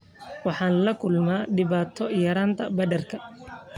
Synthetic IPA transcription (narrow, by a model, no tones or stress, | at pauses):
wɑħɑːnlɐkʰʊlmaːɖɪβaːt̪ʰɔjɐɾaːnt̪ʰɐbɐdɐrkʰɐ